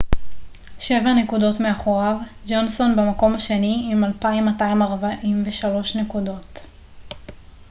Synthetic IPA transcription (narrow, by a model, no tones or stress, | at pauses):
ʃe̞vane̞kudo̞tmeaχoʁavd͡ʒo̞nso̞nbemako̞mhaʃe̞niimalpaimːataimaʁbaʔimveʃalo̞ʃne̞kudo̞t